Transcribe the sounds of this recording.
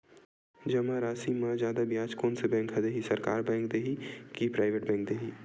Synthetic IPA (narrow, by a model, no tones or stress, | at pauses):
d͡ʒɐmãɾaːsimɐ̃zjaːd̪abjaːt͡ʃkoːnsebɛ̃ːŋkɦɐd̪eɦisɐɾkaːɾbɛ̃ːŋk̚d̪eːɦikipɾaːɪʋeʈbɛ̃ːŋk̚d̪eːɦi